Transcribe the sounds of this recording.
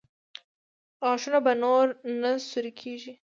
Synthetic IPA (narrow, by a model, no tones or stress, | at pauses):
ɑʃunabanoɾnasuɾikʰeʒi